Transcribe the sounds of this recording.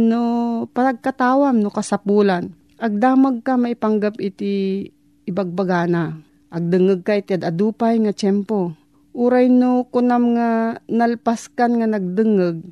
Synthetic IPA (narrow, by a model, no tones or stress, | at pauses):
nopanɐɡ̚kat̪aːwamnokɐsapuːlan | ʔɐɡ̚d̪aːmaɡ̚kamɐʔɪpaŋɡapʔɪt̪ɪ | ʔɪbaɡ̚baɡaːna | ʔɐɡ̚d̪ɨŋɨɡ̚kaɪt̪ɪad̪ɐd̪uːpajŋat͡ʃɛmpo | ʔuɾajnokʊnamŋanɐlpaskanŋanɐɡ̚d̪ɨŋɨɡ̚